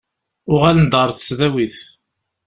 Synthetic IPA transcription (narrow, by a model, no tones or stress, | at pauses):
ʊʁælənd̪əɾˤθə̥t͡sːðæwiθ